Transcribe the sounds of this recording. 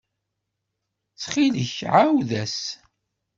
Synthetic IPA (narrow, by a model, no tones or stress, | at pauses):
t͡sːχiləçʕawðæs